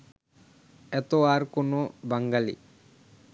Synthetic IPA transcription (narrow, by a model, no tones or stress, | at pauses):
ɛt̪oaɾkonobaŋɡalḭ